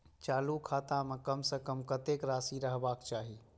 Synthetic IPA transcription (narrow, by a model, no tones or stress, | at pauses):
t͡ʃaːlukʰaːt̪ãmekəmsə̃kəmkət̪ekɾaːsiɾəɦbaːkt͡ʃaːɦi